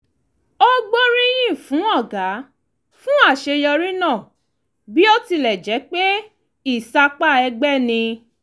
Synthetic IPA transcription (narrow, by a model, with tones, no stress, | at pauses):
o˦ɡ͡bo˦ɾĩ˦j̃ĩ˦˨fũ˨˦ɔ˦˨ɡa˨˦ | fũ˦a˦˨ʃe˧jɔ˧ɾĩ˦nã˦˨ | bi˦o˦ti˧lɛ˨d͡ʒɛ˨˦k͡pe˦ | i˦˨sa˧k͡pa˦˨ɛ˧ɡ͡bɛ˦nĩ˧